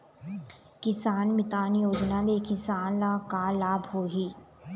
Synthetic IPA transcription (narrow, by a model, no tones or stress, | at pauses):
kɪsaːnmɪt̪aːnjoːd͡ʒnalekɪsaːnlakaːlaːbɦoːɦiː